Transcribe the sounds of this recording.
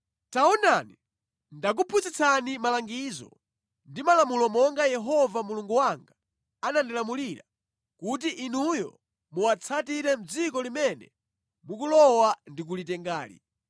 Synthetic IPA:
taɔnani | ndak̬upʰut͡sit͡sʰanimalaŋɡiːzɔ̰ | ndimalamulɔmɔŋɡajɛɦɔvamuluŋɡuwaŋɡa | anandilamuliɾa | kut̬iʔinujɔ̰ | muwat͡sʰatiɾɛm̩d͡zikɔlimɛnɛ̰ | muk̬ulɔwandik̬ulitɛŋɡaːlḭ

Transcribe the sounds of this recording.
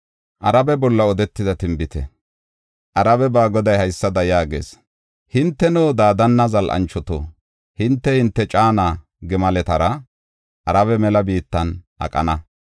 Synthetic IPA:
ʔɐɾɐbɛbɔlːɐɔd̪ɛt̪ːɪd̪ɐt̪ɪmbɪt̪ɛ̰ | ʔɐɾɐbɛbaːɡɔd̪ɐjhɐjsːɐd̪ɐjaːɡḛːs | hɪnt̪ːɛnoːd̪aːd̪ɐnːɐzɐlʔɐ̰nt͡ʃːɔt̪o̰ː | hɪnt̪ːɛhɪnt̪ːɛt͡ʃʼaːnaː | ɡɛmɐlɛt̪ɐɾɐ | ʔɐɾɐβɛmɛlɐbiːt̪ːɐnʔɐ̰kʼɐ̰nɐ

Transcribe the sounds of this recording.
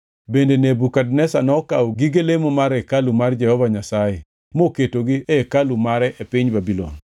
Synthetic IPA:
bendenebukadnɛsanɔkaɡiɡelemomaɾekalumard͡ʒɛhɔvaɲasaje | moketoɡiekalumaɾɛʔepɪɲbabilɔ̰n

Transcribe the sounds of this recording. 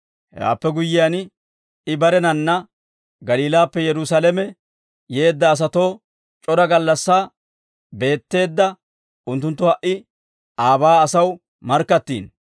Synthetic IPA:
hɛ̰a̰ːpːɛɡʊjːɪjan | ɪbɐɾɛnɐnːɐ | ɡɐliːlaːpːɛjɛɾʊsalɛmɛ | je̞ːd̪ːɐːs̬ɐt̪o̞ː | t͡ʃʼɔɾɐɡɐlːɐsːaː | be̞ːt̪ːe̞ːd̪ːɐ | ʊnt̪ːʊnt̪ːʊhɐʔɪ | ʔaːbaːɐsɐw | mɐɾkːɐt̪ːḭːn

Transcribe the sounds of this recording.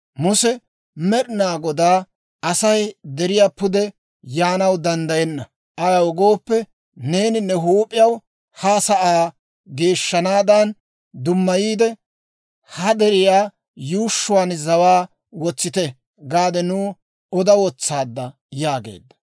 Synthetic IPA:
mʊsɛ | mɛɾɪnaːɡɔd̪aː | ɐsɐjd̪ɛɾɪjaːpʊd̪ɛ | jaːnɐwd̪ɐnd̪ɐjɛnːɐ | ʔɐɡɐwɔɡo̞ːpːɛ | ne̞ːnɪnːɛɦuːpʼːɪjɐw | hɐsɐʔaː | ɡe̞ːʃːɐnaːd̪ɐn | d̪ʊmːɐjiːd̪ɛ | hɐd̪ɛɾɪjaː | juːʃːʊwaːnzɐwaː | wɔt͡sːɪt̪ɛ | ɡaːd̪ɛnuː | ɔd̪ɐwɔt͡sːaːd̪ːɐ | jaːɡḛːd̪ːɐ̥

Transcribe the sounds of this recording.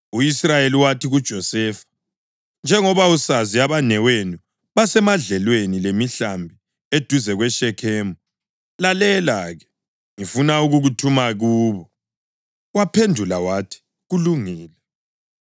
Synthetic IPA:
uisrajeliwatiɣud̥ʒ̥ʱɔsɛːfḁ | nd͡ʒʱɛŋɔβausaziaβanɛwenu | βasɛmaɮɛlwenilemiɬambʱi | ed̥ʱuzɛɣwɛʃɛkʰɛːmu | lalɛlaɣɛ | ŋifunauɣuɣutʰumaɣuːβɔ | wapʰendʱulawatʰi̥ | ɣuluŋiːlɛ

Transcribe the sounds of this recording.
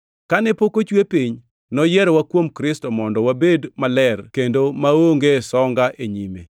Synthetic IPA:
kanɛpokot͡ʃwepiɲ | nɔjɛɾwakwomkɾɪstɔmɔndɔwabedmalɛrkendomaoŋɡesɔŋɡaʔeɲimḛ

